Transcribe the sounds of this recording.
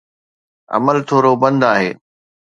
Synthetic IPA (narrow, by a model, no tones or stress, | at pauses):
ɐ̰məlt̪ʰoːɾobɐ̃nd̪aːɦeː